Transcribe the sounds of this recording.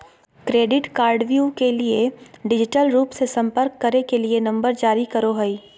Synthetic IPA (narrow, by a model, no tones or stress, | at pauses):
kɾeːɖɪʈkaːɾɖʋjukelieɖɪd͡ʒɪʈəlɾuːpsesɐ̃mpəɾkːɐɾnekelienɐ̃mbəɾd͡ʒaːɾikɐɾoɦɐiː